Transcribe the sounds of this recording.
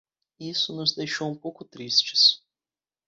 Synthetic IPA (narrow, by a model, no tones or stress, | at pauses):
isʊnʊzd̪ejʃowũpowkʊt̪ɾist͡ʃɪ̥s